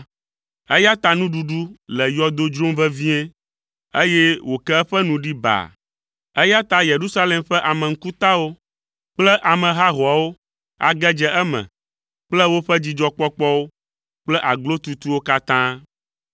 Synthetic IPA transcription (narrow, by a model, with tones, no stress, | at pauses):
ɛ˦ja˦t̪a˦nũ˦ɖu˨ɖu˦lɛ˨jɔ˦d̪o˦d͡ʒɾõ˦mvɛ˦vĩ˦ɛ˦ | e˦je˦wo˨kɛ˦ɛ˦ɸɛ˦nũ˨ɖi˦ba̰˨ | ɛ˦ja˦t̪a˦je˨ɾu˦sa˦lɛ˨mɸɛ˦ʔa˨mɛ̃˨ŋ̩˦ku˦t̪a˦wo˦ | k͡plɛ˦ʔa˨mɛ̃˨ɦa˦ɦɔ˨a˨wo˦ | a̰˨ɡɛ˦d͡ʒɛ˦ʔɛ˦mɛ̰̃˨ | k͡plɛ˦wo˦ɸɛ˦d͡ʑi˦d͡ʒɔ˦k͡pɔ˦k͡pɔ˦wo˦ | k͡plɛ˦ʔa˨ɡlo˦t̪u˦t̪u˦wo˦ka˦t̪ã˦